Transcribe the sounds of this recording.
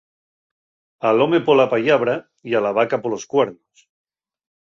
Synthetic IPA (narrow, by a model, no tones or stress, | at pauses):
alomepolapaʎaβɾa | ialaβakapoloskweɾnos